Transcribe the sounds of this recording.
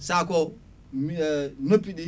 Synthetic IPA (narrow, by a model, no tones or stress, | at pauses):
sako | nɐpiɗi